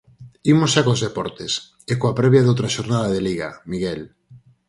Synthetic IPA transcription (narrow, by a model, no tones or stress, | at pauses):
imosʃakozðepɔɾt̪es | ekoapɾɛβjaðowt̪ɾaʃoɾnaðaðeliɣamiɣɛl